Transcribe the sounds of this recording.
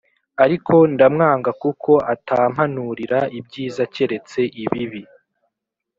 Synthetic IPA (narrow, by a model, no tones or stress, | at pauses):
aɾikʰo̞ndamŋaːŋɡakukʰo̞ʔataːm̥hanuɾiɾaibɟiːzace̞ɾe̞t͡se̞ʔiβiβi